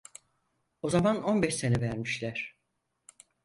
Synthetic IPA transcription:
o̞zamano̞nbɛʃse̞nɛvæɾmiʃlʲæɾ̥

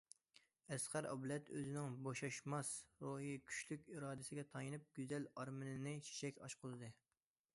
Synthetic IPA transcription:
ɛsqæɾʔɑ̰blɛt̪øzɪnɪŋboʃɑʃmɑsɾoɦijkʲʰy̥ʃlykʲiɾɑːd̪ɪsɪɡʲɛt̪ʰɑjinɨp̚ɡʲyzɛlɑɾmɨnɪnɨt͡ʃʰe̥ʃɛkʲɑ̰ʃqʰʊlˠɨd̪ɨ

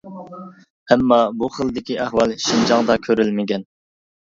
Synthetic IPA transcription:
ɛmːɑbuχəlˠd̪ɪkʲiʔæhwɑlˠʃind͡ʒɑŋd̪ɑkʲʰøɾylmɪɡʲɛn

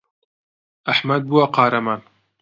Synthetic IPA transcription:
ɐħmɐd̪̚buːɐqɑːɾɐmaːn

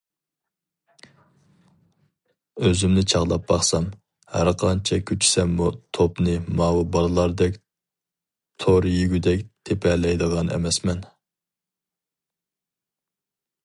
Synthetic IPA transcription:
øzymnɪt͡ʃʰɑʁlˠɑp̚bɑχsɑm | hæ̰ɾqʰɑnt͡ʃʰɛkʲʰyt͡ʃʰi̥sɛmːut̪ʰopnɨmɑːwɨbɑlˠɨlˠɑɾd̪ɛkʲ | t̪ʰoɾjyɡʲyd̪ɛk̚ʲt̪ʰepʰɛlɛjd̪əʁɑnɛ̰mɛsmɛn

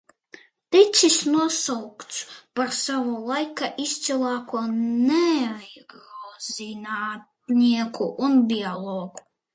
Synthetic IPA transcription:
t̪it̪sisnuɔsawkt̪spaɾsavulˠajkaʔist̪sɛlˠaːkuɔnɛajɡɾɔzinaːt̪̚niɛkuʔunbialˠɔːɡu

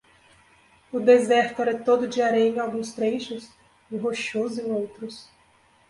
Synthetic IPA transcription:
ʊd̪ezɛɾt̪ɾɛt̪od̪ʊd͡ʒiaɾẽẽɲ̃awɡũst̪ɾejʃʊs | ɪɦoʃuzẽj̃owt̪ɾʊs

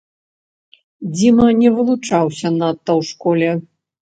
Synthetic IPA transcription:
d͡zʲimɐnʲɛvɨlˠut͡ʂawsʲɐnat̪ːɐwʂkɔlʲɛ

